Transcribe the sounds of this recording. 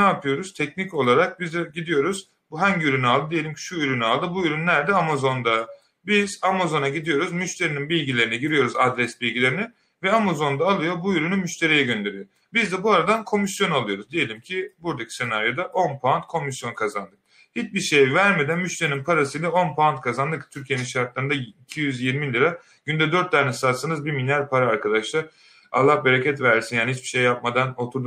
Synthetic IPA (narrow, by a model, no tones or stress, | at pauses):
aːpʰɯjo̞ɾuz̥t̪ʰɛcnico̞lˠaɾak̚bizd̪ɛɟid̪ijo̞ɾuz̥ | buɦaɲɟyɾynyalˠd̪ɯd̪ije̞lʲimcʰi̥ʃuyɾynyalˠd̪ɯbuyɾynlʲæɾd̪ɛamazo̞nd̪a | biz̥amazo̞naɟid̪ijo̞ɾuzmyʃt̪ʰe̞ɾininbilʲɟilʲe̞ɾinɛɟiɾijo̞ɾuzad̪ɾɛsbilʲɡɟilʲe̞ɾini | vɛamazo̞nd̪aːlˠɯjobuyɾynymyʃt̪ʰe̞ɾijɛɟønd̪e̞ɾijo̞ | bizd̪ɛbuaɾad̪ankʰo̞misjo̞nalˠɯjo̞ɾuzd̪ije̞lʲimcʰibuɾd̪acʰi̥se̞naɾjo̞d̪aʔo̞npʰant̪̚kʰo̞misjo̞nkʰazand̪ɯk̚ | hit͡ʃbiɾʃejɛvæɾme̞d̪ænmyʃt̪ʰe̞ɾininpʰaɾasɯjlʲɛo̞npʰant̪̚kʰazand̪ɯkt̪ʰyɾcʰijeninʃaɾt̪lˠaɾɯnd̪aicʰijyzjiɾmilʲiɾa | ɟ̥ynd̪ɛd̪ø̞ɾt̪ːæɾnɛsat̪sanɯzbiɾminʲæɾpʰaɾaːɾkʰad̪aʃlˠaɾ | a̰lˠːahbeɾecʰɛt̪væɾsinjaːnihit͡ʃbi̥ʃejːapmad̪ano̞t̪ʰuɾd̪u